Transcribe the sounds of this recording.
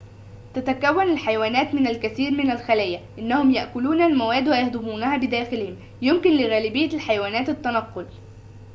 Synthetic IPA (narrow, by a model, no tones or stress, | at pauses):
t̪æt̪ækæwːænalħajawæːnæːt̪mɪnælkæθiːɾmɪnælxælæːjæʔɪnːæhʊmjaʔkʊluːnælmʊwæːd̪wæjahd̪ʊmuːnæhæːbɪd̪æːxɪlhɪm | jʊmkɪnlɪɣæːlɪbɪjːælħajawæːnæːt̪ɪt̪ːænɑqːol